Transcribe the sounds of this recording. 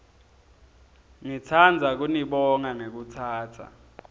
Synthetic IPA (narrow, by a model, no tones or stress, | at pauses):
ŋitʰand͡zʱak̬uniɓɔŋaŋek̬utʰaːtʰa̰